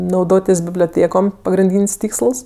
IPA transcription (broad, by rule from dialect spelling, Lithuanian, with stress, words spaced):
nɐʊˈdoːtʲɪs bʲɪbʲlʲoːˈtʲeːkoːm pɐɡrʲɪnʲˈdʲiːnʲsʲ ˈtʲiːksəlˠs